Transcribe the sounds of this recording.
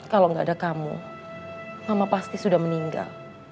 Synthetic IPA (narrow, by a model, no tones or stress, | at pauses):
kaloŋɡaːdakamṵ | samapast̪isudahməniŋɡa̰l